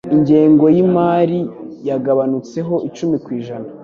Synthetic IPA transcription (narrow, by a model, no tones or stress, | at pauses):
iɲɟe̞ːŋɡo̞jimaːɾijaɡaβanut͡se̞ɦo̞ʔit͡ʃumikwiːʒana